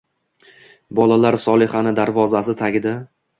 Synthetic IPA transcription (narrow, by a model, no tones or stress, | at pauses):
bɒlalaɾsɒlˠɪχanɪd̪aɾvɒzasɪt̪ʰaɡʲɪd̪a